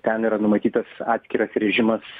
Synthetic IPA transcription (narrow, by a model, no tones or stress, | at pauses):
t̪ʲɛniːɾɐnʊmɐt̪ʲiːt̪ɐsɑːt̪sʲkʲɪɾɐsɾʲɛʒʲɪmɐs